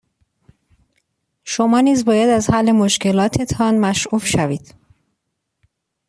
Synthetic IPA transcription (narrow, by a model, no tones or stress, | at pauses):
ʃomɒːniːzbɒːjæd̪æzhælːe̞moʃce̞lɒːt̪ʰe̞t̪ʰɒnmæʃʔuːfʃæviːd̪̥